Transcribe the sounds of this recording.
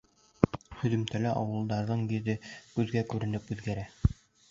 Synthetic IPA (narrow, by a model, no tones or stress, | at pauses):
hɵ̆ðɵ̆mt̪ælæʔɑwɤ̆lˠd̪ɑɾðɤɴjĭðɘkʉðɡækʉɾɘ̆nɘpʉðɡæɾæ